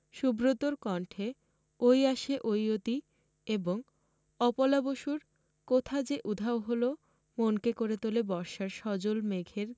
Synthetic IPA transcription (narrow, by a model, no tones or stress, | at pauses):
ʃubɾot̪oɾkɔɳʈʰe | ojaʃeʔojot̪i | eboŋ | ɔpolaboʃuɾ | kot̪ʰad͡ʑeʔud̪ʱaoɦolo | monkekoɾet̪olebɔɾʃaɾʃɔd͡ʑolmeɡʱeɾ